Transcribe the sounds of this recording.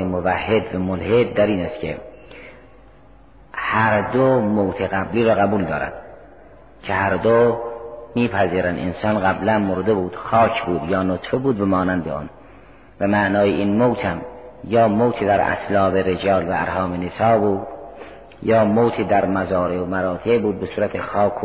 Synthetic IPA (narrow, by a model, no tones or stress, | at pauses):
emovæhːed̪væmolhed̪̚ːæɾiːnæst̪kʰḛ | hæɾd̪omowt̪ʰeɣæbliːɾɒːɣæbuːld̪ɒːɾæ̰nd̪̥ | cʰehæɾd̪o | miːpʰæziːɾænd̪ḛnsɑːnɣæblænmoɾd̪ebuːd̪̥xɑːcʰbuːd̪jɒːnot̪febuːd̪bæmɒːnænd̪eɑ̰ːn | væmæʔnɒːjeinmowt̪ʰhæmjɒːmowt̪ʰed̪æɾæ̰slɑːbeɾed͡ʒɒːlvææ̰ɾhɒːmenesɑːbuːd̪ | jɑːmowt̪ʰid̪æɾmæzɑːɾeomæɾɑːt̪ʰebuːd̪̚besuːɾæt̪ʰexɒːkʰː